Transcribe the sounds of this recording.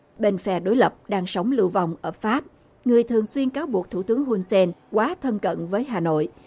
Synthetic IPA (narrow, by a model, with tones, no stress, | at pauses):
ɓe˨˧˩nfɛ̰˧˩ɗo˨˦jlə˨˩p̚ɗaː˧ŋsə˨˦wŋ͡mlɨ̰˧˨va˨˩wŋ͡mʔəː˧˩faː˦˥p̚ | ŋɨ˨˩əjt̪ʰɨ˨˩əŋswi˧ənkaː˨˦wɓu˨˩ək̚t̪ʰu˧˩t̪ɨ˨˦əŋɦu˧nsɛ˧nkwaː˨˦t̪ʰə˧nkə̰˧˨nvəː˨˦jɦaː˨˩no̰˧˨j